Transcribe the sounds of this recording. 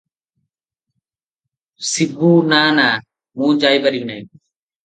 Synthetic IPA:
sɪbʱuːnaːnaː | mũːd͡ʒaːjbəɾiːnəĩ

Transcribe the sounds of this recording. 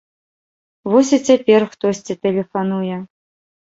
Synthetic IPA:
vɔsʲit͡sʲapʲɛrxt̪ɔsʲt͡sʲit̪ɛlʲɛfanujɛ

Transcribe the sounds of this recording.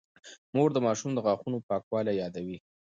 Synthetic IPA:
moɾd̪əmɑʃumd̪əɣɑxunopɑkwɑlajɑd̪awi

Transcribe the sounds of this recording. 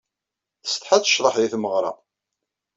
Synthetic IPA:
θəst̪ħaθə̥ʃɾˤəħjiθməʁɾˤɑ̰

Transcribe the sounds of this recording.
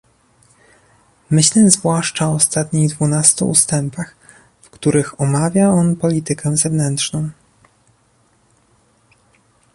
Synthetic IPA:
mɘɕlɛzvwaʂt͡ʂaɔːst̪at̪ɲiɣd̪vunast̪ṵṵst̪ɛmpax | fkt̪uɾɘxɔmavʲjaɔnpɔlʲit̪ɘkʰɛ̃zɛvnɛntʂnɔ̃w̃

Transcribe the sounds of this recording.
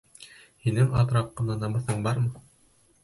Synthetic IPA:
hinɘŋɑ̰t̪ɾɑp̚qɤ̆nɑnɑmɤ̆θɤɴbɑɾmɤ

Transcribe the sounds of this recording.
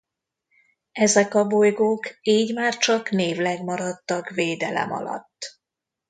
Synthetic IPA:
ɛzɛkɒbojɡoːkiːɟmaːrt͡ʃɒkneːvlɛɡmɒɾɒt̪ːɒkveːd̪ɛlɛ̰mɒ̰lɒ̰t̪ː

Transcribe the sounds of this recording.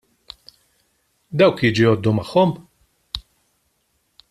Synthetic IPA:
d̪ɐwkjiːd͡ʒujɔːd̪ːumɐħːɔm

